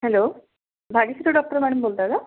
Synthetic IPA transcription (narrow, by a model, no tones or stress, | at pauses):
hɛloː | bʱaɽisiɾuɖɔk̚ʈəɾmaɽumbolt̪aza